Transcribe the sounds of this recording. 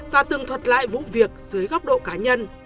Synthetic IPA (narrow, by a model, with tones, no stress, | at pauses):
vaː˨˩t̪ɨ˨˩ŋt̪ʰwə˨˩t̚la̰ː˧˨jvṵ˧˨vi˨˩ək̚zɨ˨˦əjɣɔ˦˥wk͡p̚ɗo̰˧˨kaː˨˦ɲə˧n